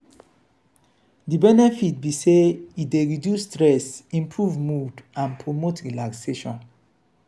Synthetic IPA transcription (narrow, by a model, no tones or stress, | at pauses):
dibɛnɛfit̚biseideɹidjustɹɛsĩmpʰɹuvmudãnpʰɹomotɹilakseʃɔ̃n